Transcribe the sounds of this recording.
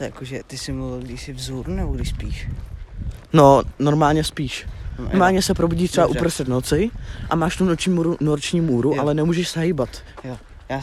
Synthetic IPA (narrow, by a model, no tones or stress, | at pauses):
t̪jakoʒɛt̪ɪsɪmuvɪlɡdɪʃsɪvzuɾnɛboɡɾɪʃspiːʃ | nonoɾmaːlɲɛspiːʃnoɾmaːlɲɛsɛpɾobuɟiːt̪r̥ɛbaʔupɾost̪r̥ɛt̪not͡sɪʔa̰maːʃt̪unot͡ʃːmuɾunoɾt͡ʃɲiːmuːɾuʔalɛnɛmuːʒɛʃsɛɦiːbat̪ | ja